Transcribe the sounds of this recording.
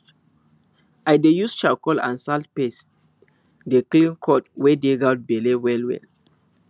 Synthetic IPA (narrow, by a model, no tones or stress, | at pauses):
ajdejust͡ʃakɔlã̰nsalt̚pes | deklĩnkʰɔtwɛdeɡat̚belewɛlwɛ̰l